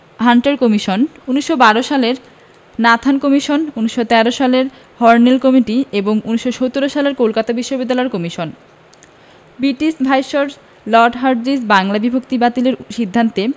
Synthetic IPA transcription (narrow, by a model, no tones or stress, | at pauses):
ɦaɳʈaɾkomiʃonuniʃːobaɾoʃaleɾ | nat̪ʰankomiʃonuniʃːot̪ɛɾoʃaleɾ | hɔɾnelkɔmiʈieboŋuniʃːoʃot̪ːuɾoʃaleɾkolkat̪abiʃːobid̪ːalɔeɾkɔmiʃon | biʈisbʱajʃoɾ | lɔɾɖɦaɾd͡ʑisbaŋlabibʱokt̪ibat̪ileɾʃid̪ʱːant̪e